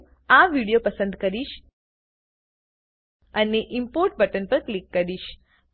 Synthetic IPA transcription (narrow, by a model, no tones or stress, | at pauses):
aʋiɽijopəsə̃nd̪kəɾiʃ | əneʔɪmpoɾʈ̚bəʈənpəɾklikːəɾiʃ